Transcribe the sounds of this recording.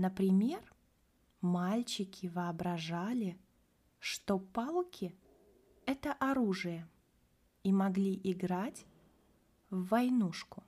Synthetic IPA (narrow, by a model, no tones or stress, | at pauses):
nəpɾʲɪmʲe̞r | malʲt͡ɕɪkʲɪvɨɐbɾɐʐalʲɪ | ʂt̪opalˠkʲɪ | ɛt̪əʔɐɾuʐɨjə | imɐɡlʲiʔɪɡɾatʲ | vːɐjnuʂkʊ